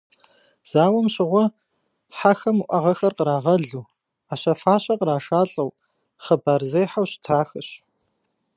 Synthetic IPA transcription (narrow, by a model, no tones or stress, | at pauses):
z̥aːwɐmɕɪʁʷɔ | ħaxɐmuʔʷɐʁɐxɐrqəɾaːʁɐɮuː | aːɕɐfaːɕʼɐqəɾaːʂaːɬʼɐw | χəbaːrzejħawɕɪ̥tʰaːxɐɕ